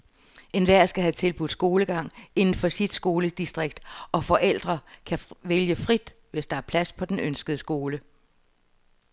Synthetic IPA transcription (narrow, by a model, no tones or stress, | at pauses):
e̝nʋæɐ̰sɡ̥æɦæt͡sʰe̝lb̥ud̥ˠsɡ̥o̝ːləɡ̥ɑ̈ŋ̰e̝nn̩fɒ̽sid̥sɡ̥o̝ːləd̥isd̥ʁeɡ̥̚d̥ɒ̽fɒ̽ʔel̰d̥ʁɐkʰæʋeljəfʁid̥ | ʋe̝sd̥ɑ̈æɐpʰlæspʰɒ̽d̥enønsɡ̥əð̞̩ˠəsɡ̥o̝ːlə